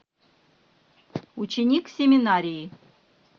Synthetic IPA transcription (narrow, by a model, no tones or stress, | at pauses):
ut͡ɕenʲiksʲemʲɪnaɾʲiji